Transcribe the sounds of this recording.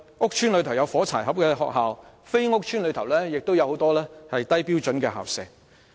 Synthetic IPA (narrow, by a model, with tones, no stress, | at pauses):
ŋʊ˥k̚t͡ʃʰyː˥nlɵ˨˧ɥt̪ʰɐ˨˩wjɐ˨˧wfɔː˨˥t͡sʰaː˨˩jɦɐ˨p̚kɛː˧ɦɔ̰ː˨k̚ɦaː˨w | fe˥jŋʊ˥k̚t͡ʃʰyː˥nlɵ˨˧ɥt̪ʰɐ˨˩wlɛː˥jɪ˨k̚t̪wjɐ˨˧who˨˥wt̪ɔː˥lɛː˥hɐ˨jt̪ɐ˥jpiː˥wt͡ʃɵ˨˥nkɛː˧ɦa̰ː˨˩wsɛː˨˩ŋ